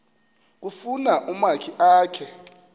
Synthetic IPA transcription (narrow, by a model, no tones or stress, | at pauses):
k̬ufunaʔumakʰiʔaːkʰɛ